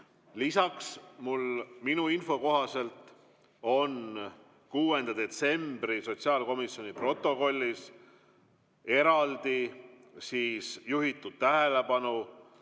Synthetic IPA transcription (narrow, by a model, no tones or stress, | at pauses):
lisɑksmulminuinfo̞ko̞ɦɑse̞lt̪ˑ | o̞n | kuːe̞nd̪̥ɑd̪̥e̞t̪se̞mb̥riso̞tsiɑːlko̞misjo̞nipro̞t̪ˑːo̞ko̞lʲːis | e̞ɾɑld̪̥i | siːsjuɦit̪ːˑud̪̥̚t̪æɦe̞le̞pɑnu